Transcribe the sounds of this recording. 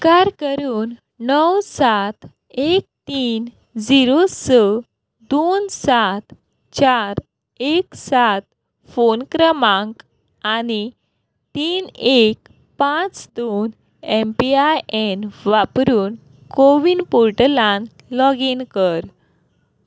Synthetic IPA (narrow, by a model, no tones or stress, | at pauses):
kaɾkəɾuːn | nəwsat̪ | ek̚t̪iːn | d͡ziɾosə | d̪onsat̪ | t͡ɕaɾ | eksat̪̚ | fonkɾəmãŋk | ani | t̪iːnek̚ | pãt͡sd̪on | empiajenʋapɾuːn | koʋinpoɾʈəlãŋk | lɔɡinkəɾ